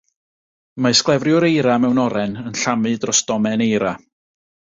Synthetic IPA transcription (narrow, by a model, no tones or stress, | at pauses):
maɪsklˠɛvrjʊɾejɾamɛwnɔɾɛnənɬamɨdrɔstɔmɛnejɾa